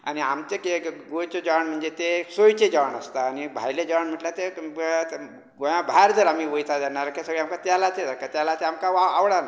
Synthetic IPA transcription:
a̰ñiamt͡ɕekeɡojt͡ɕod͡ʑaʋaɳm̤əɳd͡zet̪esojt͡ɕed͡ʑaʋəɳəst̪aːnibʱajled͡ʑaʋaɳm̤əʈlat̪e | ɡoj̃ãbʱaɾd͡zəɾamiʋəjt̪ʰad͡z̪aɳaɾakasəɡɭiamkat̪jalat̪edəɾkat̪jalat̪eamkaaaʋɽana

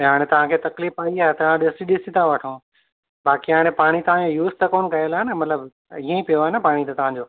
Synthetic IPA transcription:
ɦaːɽ̃ẽt̪ɐʋ̤ãkʰeːt̪ɐkliːfaːiaːɦet̪ɐʋãɗɪsʈiɗɪsĩt̪ʰãʋɐʈʰõː | baːkiɦaːɽ̃ẽpaːɽ̃it̪ɐʋ̤ãd͡ʑojuːzt̪ɐkoːnkɐelaːɦenɐmɐt̪ləb | iːẽipijoaːɦenɐpaːɽ̃it̪ɐt̪ɐʋ̤ãɲd͡ʑoː

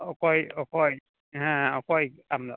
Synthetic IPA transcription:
ɔkɔjɔkɔj | ɦãɔkɔjam

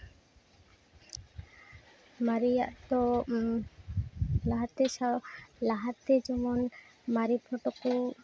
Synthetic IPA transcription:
maɾijaʔt̪ɔ | laɦat̪ɛsalaɦat̪ɛd͡ʒɔmɔnmaɾipʰɔʈɔku

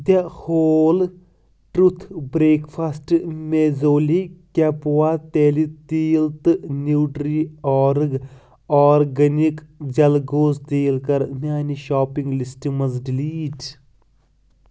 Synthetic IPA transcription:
d̪ahoːl | ʈɾut̪ʰbɾeːkfʰasʈmeːzoːlikʲɐpwat̪eːlit̪iːlt̪ɨnuːɖɾiɔːɾɨɡ | ɔːɾɡɐnikd͡ʒɐlɡoːzd̪eːlkɐɾnʲjaːniʃaːpĩŋɡlisʈimɐzɖiliːʈ

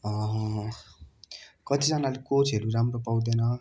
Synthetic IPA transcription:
ʌ | kʌt̪id͡zʌnalekot͡sɦeɾuramropaw̃d̪enʌ

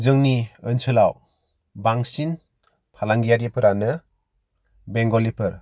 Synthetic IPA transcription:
zɯŋniɯnsɯlaw | baŋsin | pʰalaŋɡijaɾjepʰɯɾanɯ | beŋɡɔlipʰɯɾ

